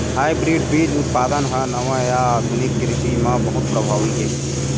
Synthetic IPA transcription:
ɦaːjbɾiːɖbʱiːd͡ʒʊt̪̚paːd̪ənɦɔnɐʋãjad̪ʱunikːɾɪt̪imãbɐɦʊt̪̚pɾəbʱaːʋiɦi

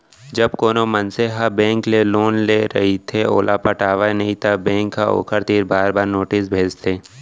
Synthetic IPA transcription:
d͡ʒɐbkoːnomɐnseɦabɛ̃ːŋkleloːnleɾɐ̰ɦit̪ʰeo̰ːlʔapəʈaːʋanɐɦĩt̪ʰabɛ̃ːŋkːao̰ːkʰəɾt̪iːɾbaːɾbaːɾnoːʈɪsbʱeːd͡ʒt̪ʰeː

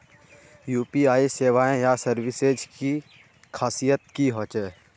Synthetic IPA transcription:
juːpiaːiseːwaːẽjasəɾwɪsed͡ʒki | kʰaːsijət̪̚kiɦoːt͡ʃɛː

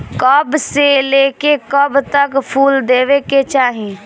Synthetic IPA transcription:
kɔbseleːkekɔbt̪əkpʰuːld̪eːʋeket͡ʃaːɦĩ

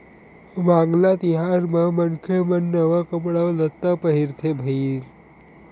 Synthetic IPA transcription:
ʋãːŋɡlat̪iɦaɾməmənkʰemənːəʋakəmɽaʋlət̪ːapəɦiɾt̪ʰebʱəi

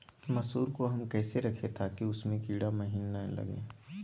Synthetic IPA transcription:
mɐsuːɾkoɦɐmkɛːseɾɐkʰet̪ʰakiʊsmẽkiːɽamɐɦiːnːalɐ̰ɡḛ̃ː

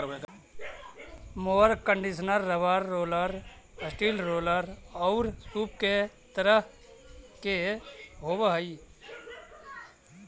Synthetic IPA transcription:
moːɾkəɳɖisənəɾːəʋaɾːoːləɾ | əsʈiːlɾoːləɾɔʊɾsuːp̚ket̪əɾəɦ | keɦoːbəɦəi

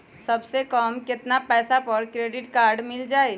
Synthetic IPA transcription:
səbsekəmket̪napɛːsapəɾkɾeɖiʈkaɾɖmild͡ʒaj

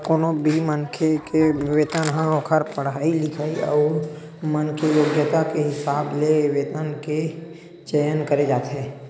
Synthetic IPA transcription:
koːnobʱimənkʰekeʋeːt̪ənɦãõːkʰəɾpəɽaːilɪkʰaːiɔ̰ː | mənkʰejoːɡjət̪akeɦɪsaːbleʋeːt̪ənke | t͡ʃəjənkəɾed͡ʒaːt̪ɦeː

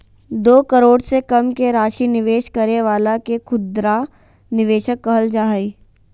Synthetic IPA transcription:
d̪oːkɐɾoːɽsekɐmkeɾaːʃinɪʋeːʃkɐɾeʋaːlakekʰʊd̪ɾa | nɪʋeːʃəkːəɦəld͡ʒaːɦiː

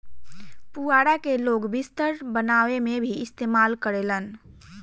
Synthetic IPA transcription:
puaɽakeloːɡbist̪əɾbənawemebʱiɪst̪emalkəɾelən

